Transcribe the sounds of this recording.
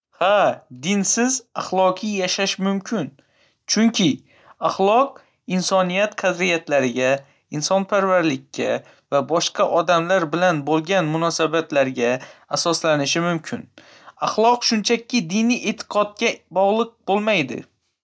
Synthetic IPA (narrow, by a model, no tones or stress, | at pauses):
had̪ɪnsɪzaχlˠɒqʰijjaʃaʃmʊmkʲʰɪn | t͡ʃʰʊŋkʲʰɪ | aχlˠɒq̚ | ɪnsɒnijat̪qʰɑd̪ɾɪjat̪ʰlaɾɪɡʲa | ɪnsɒnpʰaɾvaɾlɪkʲːa̰ | vabɒʃqʰɑʔɒd̪amlaɾbɪlanbolˠɡʲanmʊnɒsabat̪ʰlaɾɡʲaːsɒslanɪʃɪmʊmkʲʰɪn | aχlˠɒqʃʊnt͡ʃʰakʲːɪd̪ɪnije̞t̪ʰɪ̥qʰɒt̪̚kʲabɒʁlˠɨq̚bolˠmajd̪ɪ̰